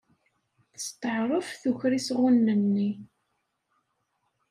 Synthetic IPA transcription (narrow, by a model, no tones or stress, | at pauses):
θəst̪əʕɾˤəfθuçɾisʁunːənːi